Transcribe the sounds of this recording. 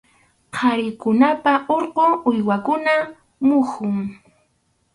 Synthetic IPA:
qʰɑɾɪkʊnapaʔoɾqoʊjwakʊna | mʊhʊŋ

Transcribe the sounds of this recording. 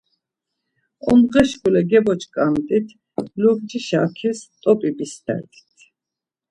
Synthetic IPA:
ɔmʁɛʃɡulɛɡɛbɔt͡ʃʰkʼamt̪ʼit̪ʰ | luɡd͡ʒiʃakʰɛst̪ʼɔpʼibisd̪ɛ̰d̪i̥t̪ʰ

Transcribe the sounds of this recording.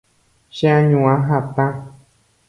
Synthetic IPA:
ʃẽãɲũãɦat̪ã

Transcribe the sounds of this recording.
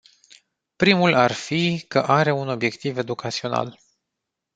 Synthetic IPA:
pɾimularfikəʔaɾe̞uno̞bje̞kt̪ive̞d̪ukʰat̪sio̞na̰l

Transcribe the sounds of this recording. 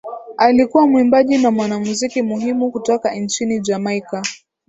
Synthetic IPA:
alikuwamuimbaʄinamwanamuzikimuɦimukutɔkan̩t͡ʃinid͡ʒamaika

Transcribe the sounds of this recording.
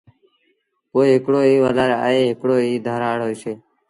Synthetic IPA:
koːɦekɽoːiːʋaːlaːɾa̰ːeːɦɪkɽoːiːd̪ʱəːɾaːɽɦoːjseː

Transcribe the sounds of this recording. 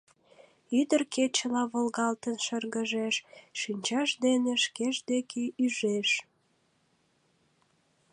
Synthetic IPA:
yd̪ərket͡ɕəlɑβəlɣɑlt̪ənʃərɣəʒeʃːinʲt͡ɕɑʃd̪eneʃkeʃd̪ekeʔyʒeʃ

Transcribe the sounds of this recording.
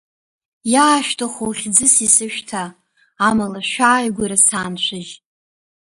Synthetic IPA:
jaːʃᶣtʰʼɨχowχʲd͡zɨsisɨʃᶣtʰaː | malaʃᶣaːjɡʷʊɾasaːnt͡ɕʷʰɨʒ

